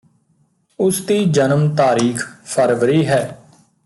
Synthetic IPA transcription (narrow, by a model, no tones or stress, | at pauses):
ʊsd̪iːd͡ʒənəmt̪aːɾiːkʰpʰəɾʋɾiːɦɛː